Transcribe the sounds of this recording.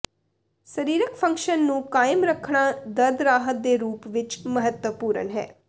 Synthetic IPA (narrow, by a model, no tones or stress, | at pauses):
səɾiːɾəkpʰə̃ŋkʃənːũːkaːɪmɾəkʰːɳaːd̪əd̪ɾaːɦət̪̚d̪eːɾuːpʋɪt͡ʃməɦət̪wəpuːɾə̰nɦɛ̰ː